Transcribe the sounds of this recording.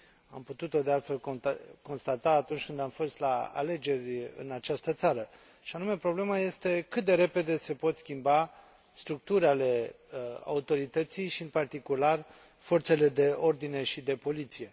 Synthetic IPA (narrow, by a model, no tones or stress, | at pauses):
amput̪ut̪o̞d̪ealt̪fe̞lko̞nst̪at̪aːt̪unt͡ʃʲkɨnd̪amfo̞st̪laa̰le̞d͡ʒe̞rʲɨ̰nat͡ʃast̪ət̪saɾə | ʃianume̞pɾo̞ble̞maje̞st̪e̞kɨt̪̚d̪e̞ɾe̞pe̞d̪e̞se̞po̞t̪skʲimba | st̪ɾuk̚t̪uɾale̞ | a̰ut̪o̞ɾit̪ət̪sijʃiɨnpart̪ikular | fo̞rt̪se̞le̞d̪e̞o̞rd̪ine̞ʃid̪e̞po̞lit̪sije̞